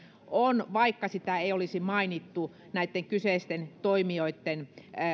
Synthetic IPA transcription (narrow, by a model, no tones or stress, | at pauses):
onʋɑikːɑsit̪æeiolisimɑinit̪ːu | næˑit̪ːeŋkyseˑist̪ent̪oimioit̪ːen